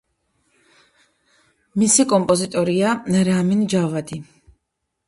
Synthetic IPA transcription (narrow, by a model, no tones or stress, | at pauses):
misikʼɔmpʼɔzit̪ʼɔɾiaɾamind͡ʒavad̪i